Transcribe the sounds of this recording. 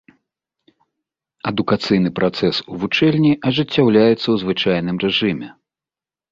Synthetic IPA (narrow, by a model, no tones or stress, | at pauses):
ɐd̪ukat̪sɨjn̪ɨpɾat̪sɛsuvut͡ʂɛlʲnʲiʔɐʐɨt͡sʲːawlʲajɛt̪sːɐwzvɨt͡ʂajn̪ɨmrɛʐɨmʲɛ